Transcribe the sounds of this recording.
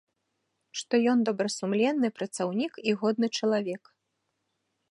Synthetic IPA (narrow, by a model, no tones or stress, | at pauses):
ʂt̪ɔjɔnd̪ɐbɾɐsumlʲɛnːɨpɾɐt̪sawnʲikiɣɔd̪̚nɨt͡ʂɐlˠavʲɛk